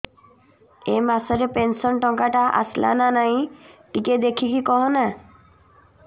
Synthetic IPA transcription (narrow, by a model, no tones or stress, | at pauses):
emasɔɾepensɔnʈɔŋkaʈaʔa̰sla̰nanaj̃ʈiked̪ekʰikikɔɦɔna